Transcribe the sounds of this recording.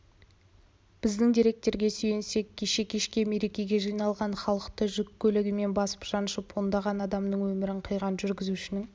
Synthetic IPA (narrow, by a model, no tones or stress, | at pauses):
b̥ɪzd̪ɪŋd̪ijɾe̞k̚t̪e̞ɾɡʲe̞syjense̞kʲʰːeʃe̞kʲʰe̞ʃkʲe̞me̞ɾe̞kʲe̞ɡʲe̞ʒijnɑlˠʁɑɴχɑlˠəqt̪əʒʏkʲʰːɵlɪɡʲɪme̞nbɑsə̥pʒ̥ɑnʃəpʰond̪ɑʁɑnɑd̪ɑmd̪əɴwɵmɪɾɪɴqʰəjʁɑnʒʏɾɡʲɪzuʃɪnɪŋ